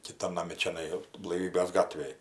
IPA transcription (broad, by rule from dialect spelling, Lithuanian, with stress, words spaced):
kʲɪˈtɐn nɐˈmʲɪ t͡ʃʲɛˈnɐɪ blˠɐɪˈʋʲiːbʲeːs ˈɡɑːtʲʋʲeːj